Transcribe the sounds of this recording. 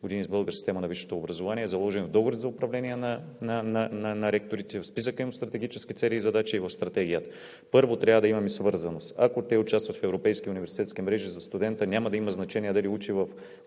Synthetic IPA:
ɡod̪inʲizbɤlˠɡəɾsi̥st̪ɛmɐnɐviʃo̥t̪oːbɾɐzovaniɛzɐlˠɔʒɛnvd̪ɔɡoɾʲt̪zɐʊpɾɐvlɛniɛnɐ | nɐnɐnɐnɐɾɛk̚t̪oɾit̪ɛvfspis̬əkəimʊst̪ɾɐt̪ɛɡʲit͡ʃɛ̥skit̪sɛliːzɐd̪at͡ʃiːvɐfst̪ɾɐt̪ɛɡʲijət̪ə | pɤɾvot̪ɾʲavəd̪ɐimɐmisvɤɾzɐnost̪a̰kot̪ɛʊt͡ʃast̪vɐt̪fɛvɾopɛjskiʊnivɛɾsi̥t̪ɛt̪skiɛmɾɛʒizɐst̪ud̪ɛnt̪ənʲamɐd̪ɐimɐznɐt͡ʃɛniɛd̪ɐliut͡ʃivɐf

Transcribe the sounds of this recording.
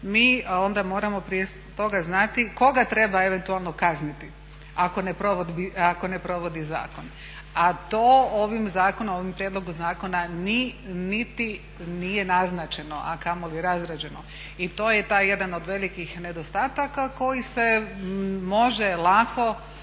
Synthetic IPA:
miːo̞nd̪amo̞ːɾamo̞pɾije | t̪o̞ɡaznat̪iko̞ɡat̪ɾe̞baeʋe̞nt̪ualˠno̞kaznit̪i | akonepɾoʋod̪biako̞ne̞pɾo̞ʋo̞d̪iza̰ːko̞n | at̪oːoʋimzaːkonooʋimpɾje̞d̪lo̞ɡuzaːko̞naninit̪i | nijenaznat͡ʃe̞no̞ʔa̰kamo̞lieɾazɾad͡ʑe̞no̞̰ | it̪o̞ːjet̪aːjːe̞d̪anod̪ʋe̞likixne̞d̪o̞st̪aːt̪akako̞jise̞ | moʒelˠakʰo̞

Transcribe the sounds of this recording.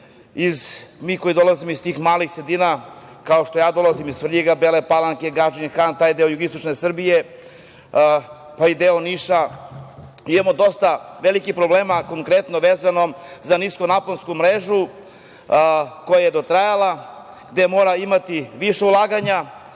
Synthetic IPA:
izmiːko̞jid̪o̞lazimoist̪iːxmaːlixsɾed̪iːna | kaoʃt̪o̞jaːd̪o̞lazimizfrʎiɡabeːlepalˠaŋkeɡad͡ʒinxant̪aːjd̪eojuɡist̪ot͡ʃnesr̩bije | paid̪eoniʃa | imamo̞d̪o̞st̪aʋelikixpɾobleːmako̞ŋkɾet̪no̞ʋeːzano̞zaniskonaponskumɾeʒu | ko̞jajed̪o̞t̪ɾajala | ɡd̪emo̞ːɾaimat̪iʋiʃeulˠaːɡaɲa

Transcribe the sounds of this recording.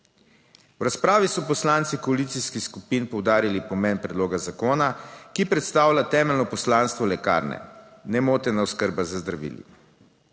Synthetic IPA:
wɾaspɾaːʋisɔpɔslant̪sikɔalit̪siskixskupinpɔwd̪aːɾilipɔmɛnpɾɛd̪loːɡazakoːnakipɾɛt̪st̪aːwlʲat̪ɛːmɛlnɔpɔslãnst̪ʋɔlɛka̰ːɾnɛ̰nɛmoːt̪ɛnaɔskəɾbazazd̪ɾaʋḭːlḭ

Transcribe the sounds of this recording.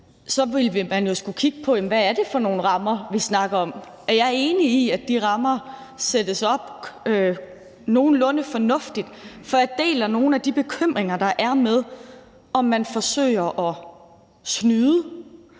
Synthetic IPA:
sɒ̽ʋilʋimænjo̝sɡ̥ukʰiɡ̥əpʰɒ̽jem̩ʋææɐd̥e̝fɒ̽no̝ːn̩ʁɑ̈mɐʋisnɑ̈ɡ̥ɐɒ̽m | æɐjɑ̈ɐe̝ːniːæd̥iʁɑ̈mɐ | sed̥əsɒ̽b̥ø | no̝ːn̩lɔ̽nəfɒ̽nɔ̽fd̥id̥fɒ̽jɑd̥e̝̰ːlɐno̝ːn̩æd̥ib̥e̝kʰøm̰ʁeŋɐd̥ɑ̈ʔæɐmeð̞ˠ | ɒ̽mːænfɒ̽sø̰ːɪ̰ɐʔɒ̽ | snyːðˠə

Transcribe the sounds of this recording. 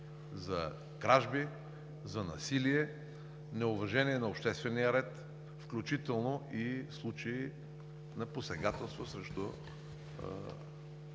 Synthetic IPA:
zɐ | ɡɾaʒbi | zɐnɐ̰siliɛ | nɛʊvɐʒɛniɛnɐʊpʃt̪ɛst̪vɛniəɾɛt̪ | fklʲut͡ʃit̪ɛlˠnoʔislˠut͡ʃɐi | nɐposɛɡat̪ɛlˠst̪vosɾɛʃt̪o̰

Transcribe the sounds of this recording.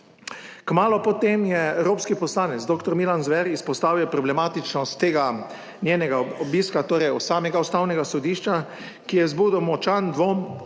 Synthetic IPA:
kmaːlɔpɔt̪emjɛɛwɾoːpskipɔslaːnɛt̪sd̪oːkt̪ɔɾmilanzʋɛɾispɔst̪aːwjɛpɾɔblɛmaːt̪it͡ʃnɔst̪ːeːɡa | nʲjeːnɛɡaɔbiːskat̪oːɾɛjusaːmɛɡaust̪aːwnɛɡasɔd̪iːʃt͡ʃa | kijɛzbuːd̪ɔwmɔt͡ʃand̪ʋom

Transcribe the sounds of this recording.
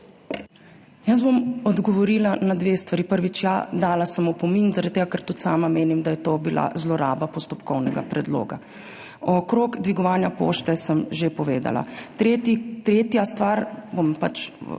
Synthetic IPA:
jazbomɔd̪ɡɔʋɔɾiːlanad̪ʋeːst̪ʋaɾipəɾʋit͡ʃjad̪aːlasəmɔpɔminzaɾad̪̚t̪ːeːɡakɛɾt̪ut̪saːmameːnimd̪ajɛt̪obila̰zlɔɾa̰ːbapɔst̪ɔpkɔwnɛɡa̰pɾɛd̪lo̰ːɡa̰ | ɔkɾoɡd̪ʋiɡɔʋaːnjapo̰ːʃt̪ɛsəmʒepɔʋeːd̪a̰la̰t̪ɾet̪it̪ɾeːt̪jast̪ʋaːɾbɔmpa̰t͡ʃ

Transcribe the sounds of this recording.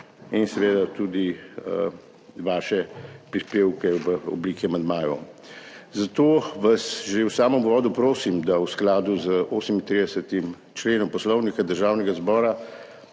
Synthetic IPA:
insɛʋeːd̪at̪ud̪iə | ʋaːʃɛpɾispeːwkɛʋəɔ̰bliːkiamand̪maːjɔ̰ | zat̪oːʋasʒewsaːməmuʋɔːd̪upɾoːsimd̪awsklaːd̪uzəʔoːsəmint̪ɾiːd̪ɛsət̪im | t͡ʃleːnɔmpɔslɔwnikad̪əɾʒaːwnɛɡazbɔːɾa

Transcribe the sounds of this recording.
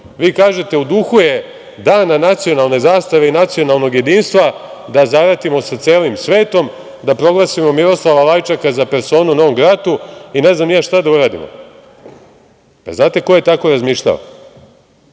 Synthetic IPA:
ʋiːkaːʒe̞t̪e̞ud̪uxuje | d̪aːnanat̪sio̞nalˠne̞zaːst̪aʋe̞inat̪sio̞nalˠno̞ɡje̞d̪iːnst̪ʋa | d̪azaʋɾat̪imo̞sat̪seːlimsʋe̞ːt̪o̞m | d̪apɾo̞ɡlˠasimo̞miɾo̞slˠaʋalajt͡ʃakazape̞ɾso̞ːnunoomɡɾaːt̪uine̞znamjaʃt̪ad̪auɾaːd̪ḭmo̰ | pa̰znaːt̪e̞ko̞je̞t̪ako̞ɾazmiːʃʎʲa̰ʋo̰

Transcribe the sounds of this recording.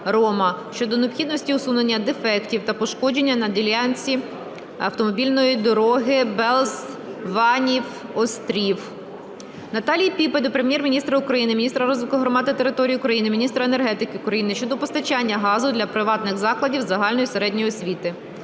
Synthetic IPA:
ɾɔmɐʃt͡ʃɔd̪ɔneɔpxʲid̪nɔsʲtʲiʊsunenʲːɐd̪efɛktʲiwt̪ɐpɔʃkɔd͡ʒenʲːɐnɐdʲilʲjanʲt͡sʲi | ɐ̰wt̪ɔmɔbʲilʲnɔjid̪ɔɾɔɦɪbɛlˠz | ʋɑnʲiwɔst̪ɾʲiw | nɐt̪ɑlʲijipʲiped̪ʊpɾemʲjɛrmʲinʲist̪ɾɐʊkɾɐjinɪmʲinʲist̪ɾɐɾɔzʋɪkʊɦɾɔmɑd̪ɪt̪eɾɪt̪ɔɾʲijiʊkɾɐjinɪmʲinʲist̪ɾɐene̞rɦɛt̪ɪkɪʊkɾɐjinɪʃt͡ʃɔd̪ɔpɔst̪ɐt͡ʃanʲːɐɦɑzʊd̪lʲɐpɾɪʋɑt̪nɪɣzɑklˠɐdʲiwzɐɦɑlʲnɔjiseɾɛdʲnʲɔjiɔsʲʋʲit̪ɪ

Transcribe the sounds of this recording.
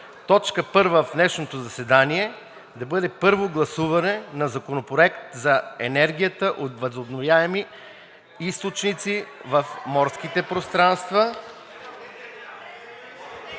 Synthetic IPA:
t̪ɔt͡ʃkəpɤɾvəfnɛʃnot̪ozɐsɛd̪aniɛ | d̪ɐbɤd̪ɛpɤɾvoɡlˠɐsuvɐnɛnɐzɐkonopɾoɛkt̪zɐɛnɛɾɡ̟ʲijət̪əʔot̪vəzobnovjaɛmi | ist̪ot͡ʃnit̪sivɐfmɔɾsk̟it̪ɛpɾost̪ɾanst̪və

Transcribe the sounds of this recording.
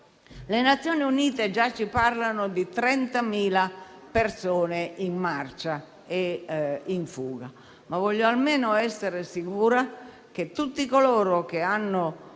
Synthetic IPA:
lenat̪sːjoːniuniːt̪ed͡ʒat͡ʃːiparlanod̪it̪ɾɛnt̪amiːlapersoːneinmart͡ʃa | e | iɱfuːɡa | mavɔʎːoalmeːnoɛsːeɾesikuːɾa | k̟et̪ːut̪ːikoloːɾok̟eanːo

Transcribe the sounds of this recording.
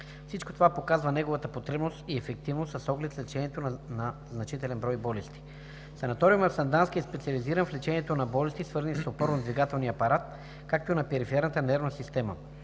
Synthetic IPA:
fsit͡ʃko̥t̪ovapokazvənɛɡovət̪əpot̪ɾɛbnost̪iɛfɛk̚t̪ivnosɐsɔɡlɛt̪slɛt͡ʃɛniɛt̪onnɐznɐt͡ʃit̪ɛlɛnbɾɔjbɔlɛst̪i̥ | sɐnɐt̪ɔɾiumɛfsɐnd̪anskiɛspɛt̪siɐliziɾənflɛt͡ʃɛniɛt̪onɐbɔlɛst̪isvɤɾzənisopɔɾnod̪viɡat̪ɛlˠniɐpɐɾat̪̚ | kak̚t̪oinɐpɛɾifiɛɾnət̪ənɛɾvnəsist̪ɛmə̰

